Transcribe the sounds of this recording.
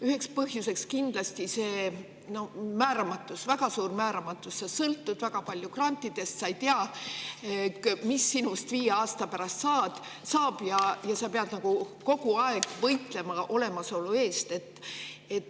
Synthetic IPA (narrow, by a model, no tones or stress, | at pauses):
yhe̞kspɤɦjuse̞kskind̪̥lɑst̪ise̞ː | no̞mæːɾɑmɑt̪ːˑusvæɡ̥ɑsuːrmæːɾɑmɑt̪ːˑussɑsɤlt̪ːud̪̥væɡ̥ɑpɑlʲjukrɑnʲt̪ːˑid̪̥e̞st̪sɑjt̪eɑ | misːinust̪viːje̞ɑːst̪ɑpæɾɑst̪sɑːd̪̥ | sɑːb̥jɑjɑsɑpeɑd̪nɑɡ̥uko̞ɡuɑe̞ɡ̥vɤjt̪ˑle̞mɑʔo̞le̞mɑso̞lue̞ːst̪e̞t̪ːet̪ː